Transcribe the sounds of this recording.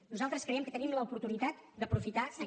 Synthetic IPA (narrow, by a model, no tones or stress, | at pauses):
nuzalˠt̪ɾəskɾəɛmkət̪ənimləupuɾt̪unit̪at̪d̪əpɾufit̪asə